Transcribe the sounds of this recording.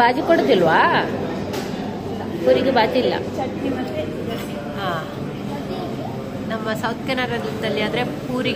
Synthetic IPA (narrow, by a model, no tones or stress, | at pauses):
baːd͡ʒipoɽod̪ilʋaː | puːɾiɡebaːt̪ilːɐ̰ | aː | nɐmːɐsɐwt̪̚kɐnɐɾɐnid̪ɐlːiaːd̪ɾe̞puːɾi